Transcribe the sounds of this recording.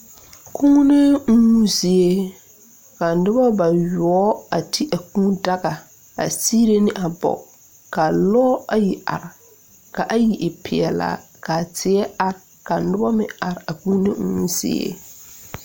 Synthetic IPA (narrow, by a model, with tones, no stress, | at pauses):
kʰu˦ne˦ŋu˦zɪ˨e˦ | ka˨n̩˨nɪ˦ba˦ba˨jɔ˦a˨tʰi˦ʔa˨kũː˦da˦ɡa˨ | a̰˨siː˦ɾe˦nɪ˦ʔa˨bɔ̰˨ | ka˨lɔː˦a˨ji˨a̰˨ɾɪ˨ | ka˨ʔa˦ji˨ʔɪ˨pʰɪ˨ɛ˨la̰˦˨ | ka˨tʰɪ˨˦ɛ˦a˨ɾ | ka˨nɪ˦ba˦mɪ̰̃˨a˨ɾɪ˨a˨ku˦nḛ˦ŋu˦zɪ̰˦ḛ˦